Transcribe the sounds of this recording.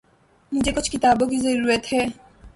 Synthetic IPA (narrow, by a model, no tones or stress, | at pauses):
mʊ̃d͡ʒekʊt͡ʃʰkɪt̪aːbok̬izəɾuːɾət̪ɦɛː